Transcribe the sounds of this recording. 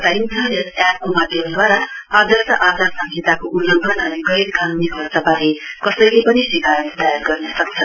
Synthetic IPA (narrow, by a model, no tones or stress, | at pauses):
t̪aintʰʌnesjap̚komad̪ʱeɦunud̪waɾaʌd̪ʱʌrsaʔad̪ʱʌrsaŋd͡ʒʱet̪akoʔulːoɡʱʌnʌɾuɡʌjɾkanunibʱʌrt͡sabaɾikʌsʌjlepʌniswikaɾʌnd̪ʱajʌɾɡʌrnʌsʌkt͡sʰʌ